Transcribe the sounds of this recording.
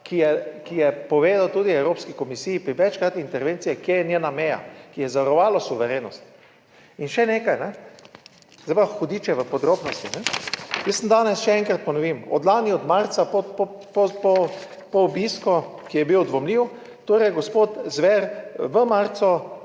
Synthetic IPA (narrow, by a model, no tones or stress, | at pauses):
kijɛkijɛpɔʋeːzawt̪uːd̪iɛwɾoːpskikɔmisiːjipɾiʋɛt͡ʃkɾat̪int̪ɛɾʋensijɛkjeɛnjenamɛja̰kijɛzaʋəɾɔʋaːlɔsuʋɛɾeːnɔst̪ | inʃɛneːkajnɛ | zaaxod̪iːt͡ʃɛʋəpɔd̪ɾoːbnɔst̪inɛjəsnd̪aːnɛsʃɛɛŋkɾat̪̚pɔnɔʋiːmɔ̰d̪laːniɔd̪maɾt̪sapɔp | pɔpɔ | pɔːbiskɔ | kijɛbiwd̪ʋɔmliːw | t̪oːɾɛjɡospoːt̪zʋɛɾʋəmaɾt̪sɔ